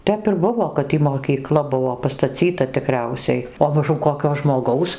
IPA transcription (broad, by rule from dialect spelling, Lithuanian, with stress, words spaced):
ˈtʲɛp ɪr ˈbʊʋoː kɐt ˈtʲiː moːkʲiːˈklˠɐ ˈbʊʋoː pɐstɐˈt͡sʲiːtɐ tʲɪˈkrʲɛʊsʲɛɪ oː mɐˈʒʊm koːˈkʲoː ʒmoːˈɡɐʊs